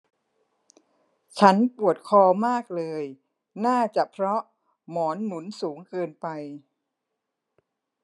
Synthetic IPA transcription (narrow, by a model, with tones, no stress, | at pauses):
t͡ɕʰa˦˥npu˨˩ət̪̚kʰɔː˧maː˥˩k̚lɤː˧j | naː˥˩t͡ɕa˨˩pʰɾɔ˦˥ʔ | mɔː˩˦nːu˩˦nsuː˩˦ŋkɤː˧npa˧j